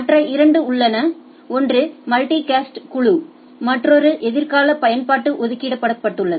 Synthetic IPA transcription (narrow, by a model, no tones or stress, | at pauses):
mɐʈrɐʔɪɾɐɳɖɯʊɭːɐnɐ | ɔndrɯmɐlʈikaːsʈkʊɭu | mɐʈrɔɾɯʔɛðɪɾkaːlɐpɐjɐnpaːʈːɯʔɔðɯkːiːɽɐpːɐɽɐpːɐʈːɯɭːɐðɯ